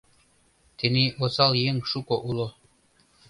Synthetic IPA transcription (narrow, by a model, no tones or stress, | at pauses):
t̪ʰeniʔosɑlˠjeŋʃukoʔulˠo